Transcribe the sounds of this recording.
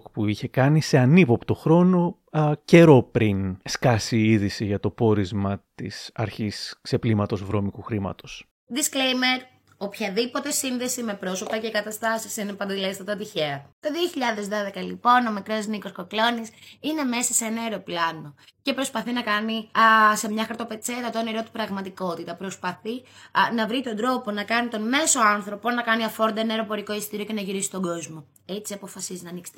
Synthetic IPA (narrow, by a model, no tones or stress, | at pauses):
kpuiçe̞kɐnise̞ɐnipo̞pt̪o̞xɾo̞no̞ | ce̞ɾo̞pɾinskɐsiiðisiʝɐt̪o̞po̞ɾizmɐt̪ḭsɐ̰ɾçiskse̞plimɐt̪o̞zvɾo̞mikuxɾimɐ̰t̪o̞s | ðisklejme̞ɾ | opçɐðipo̞t̪e̞sinðe̞sime̞pɾo̞sopɐcekɐt̪ɐst̪ɐsisinepɐnd̪elest̪ɐt̪ɐt̪içeɐt̪oðioçiʎɐðe̞zðoðe̞kɐlipo̞no̞mikɾozniko̞sko̞klo̞nisine̞me̞sɐseenɐeɾoplɐno̞ce̞pɾo̞spɐθinɐkɐnise̞mɲɐxɐɾt̪o̞pe̞t͡set̪ɐt̪oneɾo̞t̪i̥pɾɐɣmɐt̪iko̞t̪it̪ɐpɾo̞spɐθinɐvɾit̪o̞nd̪ɾo̞po̞nɐkɐnit̪o̞nme̞so̞ɐnθɾo̞po̞nɐkɐniɐfoɾnd̪ɐenɐeɾo̞po̞ɾiko̞ist̪iɾioce̞nɐʝiɾisi̥t̪o̞ɡo̞zmo̞ | e̞t͡siɐpo̞fɐsizinɐniksi̥t̪e